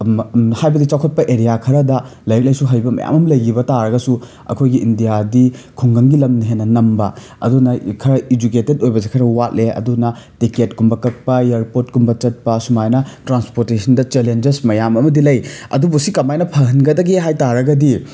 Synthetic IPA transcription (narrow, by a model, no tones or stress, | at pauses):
hajbɐdit͡ʃawkʰɐt̚pɐʔeɾijakʰɐɾɐdɐlɐjɐk̚lɐjsuɦɐjbɐmɐ̰ja̰mɐmlɐjɡibɐtaɾɐɡɐsu | ɐ̰kʰojɡiʔindijadikʰoŋɡɐŋɡilɐmniɦenːɐnɐmbɐ | ɐ̰dunɐkʰɐɾɐid͡ʒuketedojbɐzekʰɐɾɐwat̚leɐ̰dunɐtiket̚kumbɐkɐk̚pɐjeɾpot̚kumbɐt͡ʃɐt̚pɐsumajnɐtɾanspoɾtesʰɐndɐt͡ʃelend͡ʒesmɐjamɐmɐdilɐjɐ̰dubusikɐmajnɐpʰɐɦɐnɡɐdɐɡiɦajtaɾɐɡɐdi